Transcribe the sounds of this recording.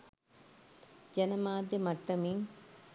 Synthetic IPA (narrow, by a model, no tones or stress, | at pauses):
d͡ʒɐnɐmaːd̪jemɐʈːɐmiŋ